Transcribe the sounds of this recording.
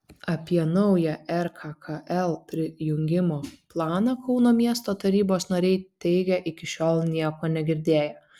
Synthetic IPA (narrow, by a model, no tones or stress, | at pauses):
ɐpʲiɛnɐʊjɛʔɛɾkʰɐkʰɐʔɛlˠpʲɾʲɪjʊŋʲɡʲɪmoːplˠɑːnɐkɒʊnoːmʲiɛst̪oːt̪ɐɾʲiːboːsnɐɾʲɛɪt̪ʲɛɪɡʲɛʔɪkʲɪʃʲoːlˠnʲiɛkoːnʲɛɡʲɪɾʲd̪ʲeːjo